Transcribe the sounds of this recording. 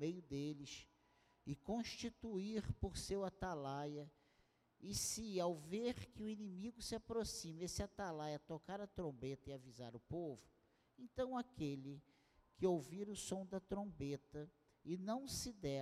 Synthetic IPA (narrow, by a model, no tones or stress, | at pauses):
mejʊd̪elɪʃ | ɪkõʃt͡ʃit̪uiɾpoɾsewat̪alajɐ | ɪsɪawveɾkɪʊinĩmiɡʊsɪapɾosĩmesɪat̪alajɐt̪okaɾɐt̪ɾõbet̪ɐɪavizaɾʊpovʊ | ẽnt̪ɐ̃w̃akelɪ | kɪowviɾʊsõw̃d̪ɐt̪ɾõbet̪ɐ | ɪnɐ̃w̃sɪd̪ɛ